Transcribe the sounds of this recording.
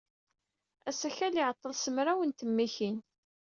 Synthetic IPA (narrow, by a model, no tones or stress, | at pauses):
æsæçæliʕət̪ˤːəlsəmɾæwənt̪əmːiçin